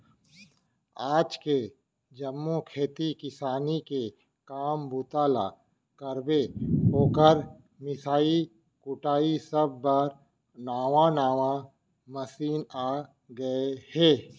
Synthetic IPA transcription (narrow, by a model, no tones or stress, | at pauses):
aːd͡ʒke | d͡ʒɐmːõkʰeːt̪ikɪsaːnike | kaːmbʊt̪aːla̰ | kɐɾbeɦoːkəɾ | mɪsaːi | kʊʈaːisəb̚ːəɾ | naːʋãnaːʋã | mɐsiːnaː | ɡɐehɛː